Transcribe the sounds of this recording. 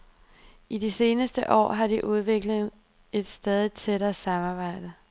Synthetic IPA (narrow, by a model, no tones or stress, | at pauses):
ʔidise̝ːnəsd̥əʔɒ̰ːɦɑ̈d̥iʔuð̞ˠʋe̝ɡ̥ləð̩ˠ | e̝d̥sd̥ɛð̞ˠit͡sʰeɾ̥ɐsɑ̈mɑ̈b̥ɑ̈ɪ̰d̥ə